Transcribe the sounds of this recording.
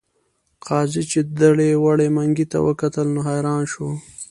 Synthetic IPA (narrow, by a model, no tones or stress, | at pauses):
qɑzit͡ʃed̪aɽewaɽemaŋɡit̪a̰wə̰kat̪əlnoɦajɾɑːnʃo